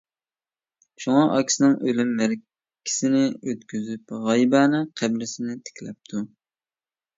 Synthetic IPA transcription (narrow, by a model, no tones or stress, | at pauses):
ʃuŋɑʔɑkʲi̥sɪnɨŋølymːæɾ | kʲʰi̥sɪnɪøt̪kʲyzypʁɑjbænɨqʰæblɪsɪnɪt̪ʰe̥kʲlɛp̚t̪ʰu